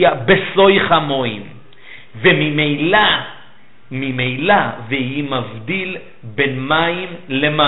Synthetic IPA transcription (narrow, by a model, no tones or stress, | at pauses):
abeso̞jχamo̞im | vemimela | mimejlavehimavd̪il | benmaimlema